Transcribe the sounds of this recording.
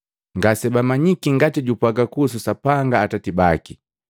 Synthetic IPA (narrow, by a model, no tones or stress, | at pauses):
ŋɡasɛbamaɲikiŋɡatiɟupaɡakus̬usapaŋɡaːtatibaki